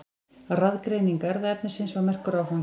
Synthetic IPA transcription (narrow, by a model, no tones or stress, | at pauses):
raðkɾeːjniŋkaɛɾðaɛpnɪ̥sɪnsvaɣmɛr̥kʏɾawhan